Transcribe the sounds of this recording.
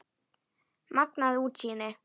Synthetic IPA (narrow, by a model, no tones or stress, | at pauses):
mak̚naðut͡ʃine